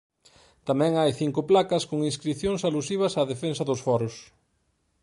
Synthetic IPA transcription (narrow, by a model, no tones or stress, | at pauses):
t̪amɛ̃ŋajθiŋkʊplakɐskoŋinskɾiθjoŋsalusiβ̞ɐsaːðefensɐðʊsfɔɾʊs